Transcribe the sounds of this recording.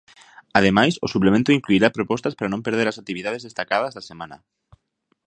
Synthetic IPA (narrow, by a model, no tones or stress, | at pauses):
að̞emajsʊsuplemẽnt̪ʊĩŋkluiɾapɾopɔst̪aspaɾanõmpeɾð̞eɾasak̚t̪iβiðað̞ezðest̪akað̞ɐzðasemãnɐ̰